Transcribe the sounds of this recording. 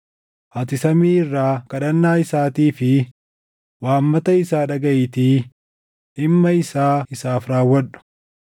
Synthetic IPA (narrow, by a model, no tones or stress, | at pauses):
ʔɐt̪ɪsɐmiːɪrːaːkɐɗɐnːaːɪsaːt̪iːfɪ | waːmːɐt̪ɐɪsaːᶑɐɡɐʔɪt̪iː | ɪmːɐɪsaːɪsaːfɾaːwːɐᶑʊ̥